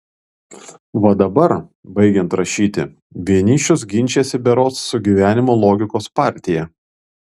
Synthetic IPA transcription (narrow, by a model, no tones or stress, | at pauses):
ʋɐd̪ɐbɐɾbɐɪɡʲɛnt̪ɾɐʃʲiːt̪ʲɪ̰ | ʋʲiɛnʲiːt͡ʃʲʊs̬ɡʲɪnʲt͡ʃʲesʲɪbʲɛɾoːsːʊɡʲiːʋʲæːnʲɪmoːlˠoːɡʲɪkoːspɑˑɾʲt̪ʲɪjɛ